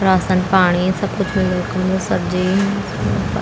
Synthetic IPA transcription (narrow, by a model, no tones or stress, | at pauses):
ɾaːsənpaːɽ̃isɐbkʊt͡ʃʰmɪlekəmd̪osɐtd͡ʒi